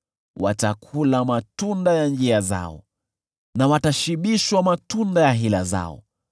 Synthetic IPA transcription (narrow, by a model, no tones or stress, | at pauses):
watakʰulamatundajand͡ʒiaza̰ɔ̰ | nawataʃiɓiʃwamatundajaɦila̰za̰ɔ̰